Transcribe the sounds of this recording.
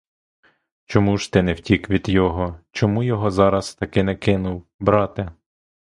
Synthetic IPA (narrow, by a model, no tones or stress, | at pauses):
t͡ʃɔmuʒ̥t̪ɪnɛwtʲikʋʲid̪jɔɦɔt͡ʃɔmujɔɦɔzɑɾɐst̪ɐkɪnɛkɪnʊwbɾɑt̪ɪ